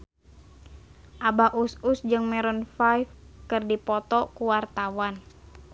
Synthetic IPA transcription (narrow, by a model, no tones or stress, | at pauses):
ʔabaʔususd͡ʒɨŋmɛɾɔnfajfkɨrdipɔt̪ɔkuwart̪awan